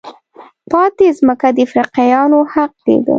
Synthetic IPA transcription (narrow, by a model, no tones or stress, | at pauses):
pɑt̪ezməkad̪əfɾiqajɑnohaq̚d̪ḛɡə̰